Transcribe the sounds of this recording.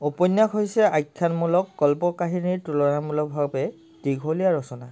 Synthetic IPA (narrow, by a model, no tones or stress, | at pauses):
opɔnːakojsɛajkʰːanmulɔkːɔlpɔkaɦiniɹtulɔɹamulɔk̚bʱabɛ | tiɡʱɦolijaɹɔsɔna